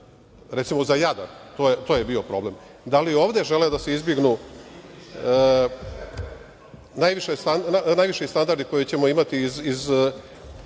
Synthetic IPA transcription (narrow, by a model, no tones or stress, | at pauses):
ɾet̪simo̞zajad̪a̰nt̪oːjet̪o̞ːjebio̞pɾo̞ble̞m | d̪alio̞ːʋd̪e̞ʒe̞led̪ase̞izbjeɡnu | najʋiʃest̪annajʋiʃest̪and̪aɾd̪iko̞jet͡ɕe̞mo̞imat̪iːziz